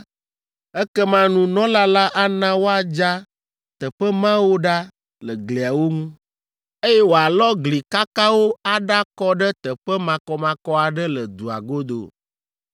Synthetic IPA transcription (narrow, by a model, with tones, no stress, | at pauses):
ɛ˦kɛ˦mã˦nũ˦nɔ̃˦la˦la˦ʔa˦nã˦wo˦a˨d͡ʒa˦ | t̪ə˨ɸɛ˦mã˦wo˦ɖa˦ | lə˨ɡli˨a˨wo˦ŋũ˦ | e˦jɛ˦wo˨a˨lɔ˦ɡli˨ka˦ka˦wo˦a˨ɖa˦kɔ˦ɖɛ˦t̪ə˨ɸɛ˦mã˨kɔ˦mã˨kɔ˦a˨ɖɛ˦lə˨d̪u˨a̰˨ɡo˦d̪o̰˨